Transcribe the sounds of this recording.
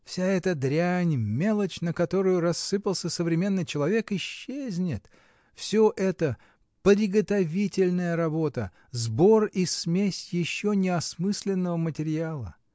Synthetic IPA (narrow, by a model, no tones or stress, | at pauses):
fsʲaɛt̪əd̪ɾʲænʲmʲelˠət͡ɕnəkɐt̪o̞ɾʊjʊɾɐsːɨpəlˠsʲəsəvɾʲɪmʲe̞nːɨjt͡ɕɪlˠɐvʲekɪɕːezʲnʲɪt̪ | fsʲoʔɛt̪ə | pəɾʲɪɡət̪ɐvʲitʲɪlʲnəjəɾɐbo̞t̪ə̰ | zbo̞rismʲesʲjɪɕːonʲɪɐsmɨsʲlʲɪnːəvəmətʲɪɾʲɪalˠə̰